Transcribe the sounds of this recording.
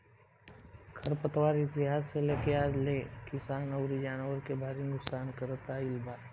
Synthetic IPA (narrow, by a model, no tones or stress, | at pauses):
kʰɐɾpət̪waːɾit̪ɪɦaːsːeleːkeaːd͡ʒleːkɪsaːnəʊɾid͡ʒaːnwəɾkebʱaːɾinʊksaːnkəɾət̪aɪlbaː